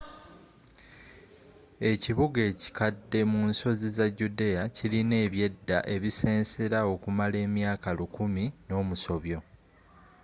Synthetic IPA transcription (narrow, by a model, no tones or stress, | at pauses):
e̞ciβuɡe̞ːci̥kadːe̞munso̞zizaɟudeaciline̞ːβje̞dːa̰ʔe̞βise̞ːnse̞ɾao̞kumale̞ːmjaːkalukumino̞ːmuso̞βjo̞